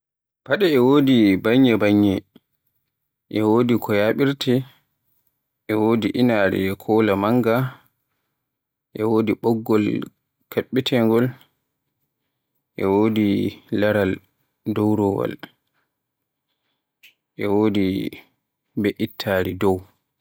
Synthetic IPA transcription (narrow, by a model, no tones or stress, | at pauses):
paɗɛɛwoːdibaɲːɛbaɲːɛ | ʔɛwoːdikʰɔjaɓiɾtɛ | ʔɛwoːdiʔinaːɾḭɛkʰɔːlamaŋɡa | ʔɛwoːdiɓɔɡːɔl | kʰaɓːitʰɛŋɡɔl | ʔɛ̰woːdilaɾal | dɔwɾɔwa̰l | ʔɛwoːdi | bɛʔitʰːaɾidɔw